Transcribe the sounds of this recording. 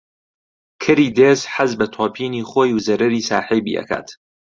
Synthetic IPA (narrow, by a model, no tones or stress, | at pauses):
kʰɨɾiːd̪eːzħazbɐt̪ʰoːpʰiːniːχoːjuwzɐɾɐɾiːsaːħijbḭːʔɐ̰kʰa̰ːt̪